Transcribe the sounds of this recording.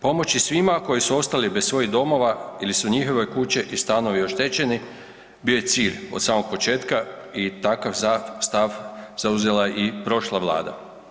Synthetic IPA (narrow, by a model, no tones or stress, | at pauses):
po̞mo̞t͡ɕisʋimako̞jisuo̞st̪alibessʋo̞jiɦd̪o̞mo̞ʋailisuɲixo̞ʋe̞kut͡ɕeʔist̪ano̞ʋio̞ʃt̪et͡ɕe̞ni | bijo̞jet̪siːʎo̞̰d̪saːmo̞ɡ̚po̞t͡ʃe̞ːt̪kait̪akaʋast̪aʋz̥auze̞laipɾo̞ʃlˠaʋlˠa̰ːd̪a̰